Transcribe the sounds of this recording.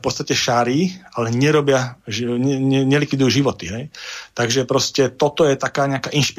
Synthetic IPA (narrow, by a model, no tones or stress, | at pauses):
pɔt̪st̪acɛʃaɾiːalɛɲɛɾɔbɪaɛɛɲɛlikʋid̪ujuːʒiʋɔt̪iɦɛjt̪aɡʒɛpɾɔscɛt̪ɔt̪ɔjɛt̪akaːɲɛakaːʔinʃpi